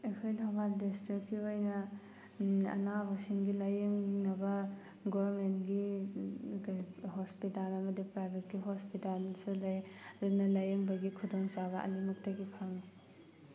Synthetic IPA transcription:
ejkʰojdamat̚distɾikːiojnɐ | ɐ̰nabɐsiŋɡilajeŋnɐbɐ | ɡobɾmentɡi | ɡɦospitalɐmɐdipɾajbʱet̚ɡiɦospitalsulɐjɾunɐlajeŋbɐɡikʰudoŋsabɐɐ̰limɐk̚tɐɡipʰaŋni

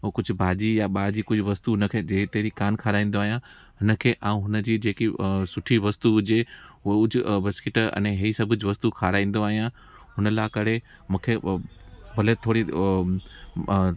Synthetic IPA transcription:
kʊd͡ʑʱʊ̆bʱaːd͡ʑijaɓaːd͡ʑikʊd͡ʑʱʋɐst̪uɦʊnəkʰeːd͡ʑet̪eːɾikaːnkʰaːɾaːĩːn̆d̪oaːɦijã | ɦʊnə̆kʰeːʔaːũɦʊnə̆d͡ʑiːd͡ʑeːkisʊʈʰiʋɐst̪uɦʊd͡ʑeʊd͡ʑʱʊbɪskɪʈɐ̰̃nẽɦeisɐbʱʊd͡ʑʋɐst̪ukʰaːɾaːĩːn̆d̪oaːɦijã | ɦʊnəlaːkɐɽ̤ʱe | mũːkʰe | bʱɐlet̪ʰoːɽi

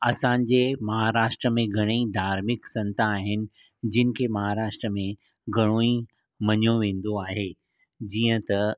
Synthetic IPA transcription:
ɐsãːɲ̆d͡ʑemɐɦaɾaːʃʈɾəmẽɡʱɐɽ̃eid̪ʱaːɾmɪksɐ̃nt̪aːɦɪnɪ̆ | d͡ʑɪnɪ̆kʰemɐɦaɾaːʃʈɾəmẽ | ɡʱɐɽ̃oĩ | mɐɲjõʋẽːn̆d̪oaːɦeː | d͡ʑiːə̃t̪ɐ

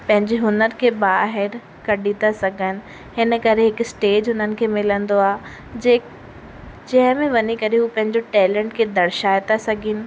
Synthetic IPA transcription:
pɐ̃ɦɪ̃ɲd͡ʑeɦʊnəɾkʰeːbaːɦɪɾ | kɐɗit̪asɐɡʱənɪ̆ | hɪnə̆kɐɾeɦɪkʊsʈeːd͡ʑɦʊnənɪ̆kʰeːmɪlə̃nd̪oaː | d͡ʑɐ̃ɦɪ̃mẽʋɐɲikɐɾeɦuːpɐ̃ɦɪ̃ɲd͡ʑoʈɛːlɛ̃ːɳʈkʰeːd̪ɐɽʃaːet̪asɐɡʱɪnɪ̆

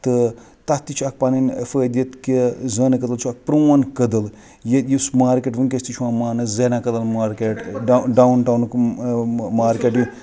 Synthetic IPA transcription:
t̪ɨ | t̪at̪ːit͡ʃʰuak̚paninfəːd̪ʲjɐt̪kizəːnɨkɐd̪ɐlt͡ʃʰuak̚pɾoːɐnkəd̪ɐl | jet̪jismaːɾkeʈʋɨnkʲest̪it͡ʃʰwãːmaːnɨzenakɐd̪ɐlmaːɾkeʈɖɖawnʈawnk | maːɾkʲeʈju

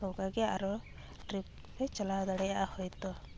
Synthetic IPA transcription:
ɔwkaɡɛaɾɔ | ʈɾip̚ | et͡ʃɔlawɔd̪ɔɽɛjaʔahɔjt̪ɔ

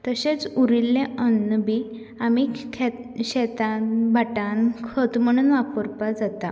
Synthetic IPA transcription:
t̪əɕet͡suɾilːẽənːəbi | amikʰeɕɛt̪anbʱaʈankʰət̪m̤əɽ̃uːnʋapəɾpad͡zat̪a

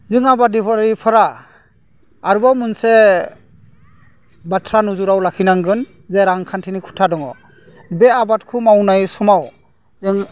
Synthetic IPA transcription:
zɯŋabadibʰaɾɾipʰaɾa | ɾubawmunse | batʰɾanuzuɾawlakʰinaŋɡɯn | zeɾaŋkʰantʰinikʰu̥tʰadɔŋɔ | beabat̚kʰumawnajsɔmaw | zɯŋ

